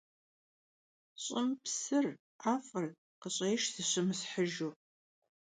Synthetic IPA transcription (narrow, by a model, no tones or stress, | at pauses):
ɕʼɪmpsɨr | ʔaːfʼɐr | qəɕʼeːʃzɨɕɪmɨsħəʒu